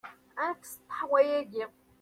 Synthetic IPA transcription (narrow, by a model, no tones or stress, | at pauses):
ænkst̪ːħwæjæɡi